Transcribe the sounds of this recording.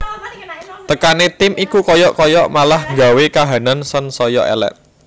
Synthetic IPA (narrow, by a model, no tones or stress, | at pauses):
t̪əkanet̪ɪmʔikukɔjɔʔkɔjɔʔmalahŋɡa̤wekaɦanansənsɔjɔ̰ʔɛ̰lɛ̰ʔ̚